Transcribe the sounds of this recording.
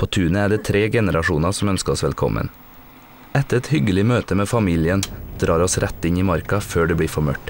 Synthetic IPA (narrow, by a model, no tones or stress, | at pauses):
pʰoːt̪ʰʉːnəæːɖeːt̪ʰɾeːɡɛnəɾɑʂuːnɑsɔmœnskəɔsʋɛlkʰɔ̰mʔə̰n | ɛt̪əɾɛt̪hʏɡəlɪmøːt̪əmeːfɑmiːlɪənd̪̥ɾɑːɾɔsɾʔɛt̪ːɪniːmɑɾkɑføːɖeːbɽiːfɔmœʈː